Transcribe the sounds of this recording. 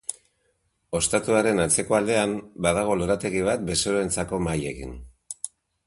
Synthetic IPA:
o̞st̪at̪uaɾe̞nat͡se̞ko̞ald̪e̞ambað̞aɣ̞o̞loɾat̪e̞ɣiβ̞at̪̚be̞so̞ɾoent͡sako̞maje̞kḭn

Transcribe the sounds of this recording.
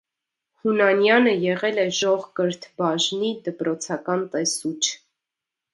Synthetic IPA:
hunɑnjɑnəjɛʁɛlɛʒɔʁkəɾt̪ʰbɑʒnid̪əpɾɔt͡sʰɑkɑnt̪ɛsut͡ʃʰ

